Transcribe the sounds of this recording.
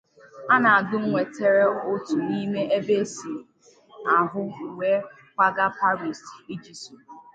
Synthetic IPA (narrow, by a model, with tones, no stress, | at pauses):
a˦na˨a˨dʊ˦ŋ̩˦ŋʷe˨te˨ɾe˦o˦tu˨ni˦me˦e˦be˦si˨ | a˨ɦʊ˦we˦ | kʷa˦ɡa˦pa˦ɾi˨sti˦d͡ʒi˨su˨